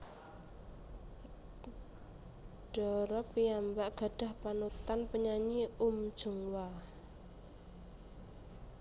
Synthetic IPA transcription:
ɖ̥ɔɾɔpːiambaʔɡ̥a̤ɖ̥a̤hpanut̪anpəɲaɲiumd̥ʒ̥ṳŋwa

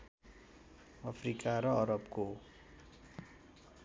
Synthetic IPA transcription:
ʌpʰrikaɾʌʌɾʌpko

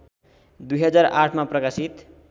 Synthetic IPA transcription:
d̪ujɦʌd͡zaɾa̰ʈʰmaprʌkasit̪

